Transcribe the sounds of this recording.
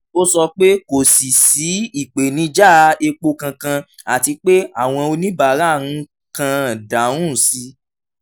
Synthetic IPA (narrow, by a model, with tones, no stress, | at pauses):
o˦sɔ˧k͡pe˦ko˨si˨si˨˦i˨k͡pe˨nĩ˧˦d͡ʒa˦˨˧e˧k͡po˧kã˧kã˧ | a˨ti˧k͡pe˦a˦˨w̃ɔ̃˧o˧nĩ˦ba˨˦ɾa˦˨ɾ̃ũ˧˦ | kã˧˨dã˨˦ũ˦˨si˧˦